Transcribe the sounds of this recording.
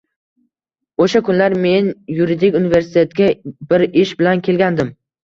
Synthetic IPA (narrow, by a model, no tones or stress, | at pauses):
oʃakʊnlaɾme̞njuɾid̪ɪkʲunɪveɾsɪ̥t̪ʰe̞t̪ɡʲabɪɾɪʃbɪlankʲʰe̞lɡʲand̪ɪm